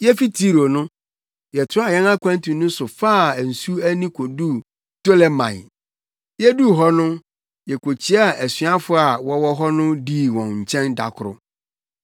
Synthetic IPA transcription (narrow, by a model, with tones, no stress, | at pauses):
jɛ˦fi˦tʰi˦ɾo˨nʊ̃˦ | jɛ˨tʰʊ̃˦a˨jɛ˦na˦kʷã˦ntʰũ˨nʊ̃˦sʊ˨faː˦˨n̩˨su˦æ˦nĩ˦kʰo˨du˦ | to˦lɛ˦mã̰˨j | jɛ˦du˦ɦɔ˦nʊ̃˦ | jɛ˨kʰo˨t͡ɕʰi˦a˦˨ʔæ˨sɥa˦fʊ˦a˨wɔ˦wɔ˦ɦɔ˦nʊ̃˦di˦˨wɔ̃˨ɲ̩˨t͡ɕʰɛ̃˦nda̰˨kʰʊ˨ɾʊ̰˨